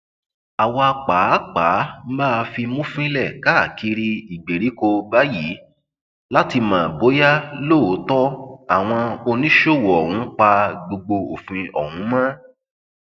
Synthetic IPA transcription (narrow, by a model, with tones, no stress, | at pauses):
a˨wɔ˧a˧k͡pa˨˦k͡paː˨˦m̩˦ba˦˨˧fi˧mũ˦fĩ˦lɛ˦˨ka˦˨ki˨˦ɾi˦i˨ɡ͡be˨ɾi˨˦ko˧ba˦ji˨˦ | la˦ti˧mãː˨bo˨˦ja˦lo˦˨˦tɔ˦a˨w̃ɔ̃˧o˧nĩ˦ʃo˦˨wɔ˨hũ˨˦k͡pa˧ɡ͡bo˧ɡ͡bo˧o˨fĩ˧ɔ˨hũ˨˦mã˦